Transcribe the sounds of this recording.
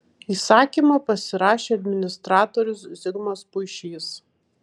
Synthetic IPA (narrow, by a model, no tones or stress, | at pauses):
iːsɑːkʲiːˑmɐpɐsʲɪɾɑːʃʲeːɐd̪ʲmʲɪnʲɪst̪ɾɑːt̪ɔɾʲʊszʲɪɡmɐspʊɪʃʲiːs